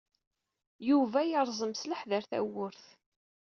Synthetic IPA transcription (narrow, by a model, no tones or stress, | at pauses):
juvæjəɾˤzˤəmsləħðəɾθæ̰wʊɾθ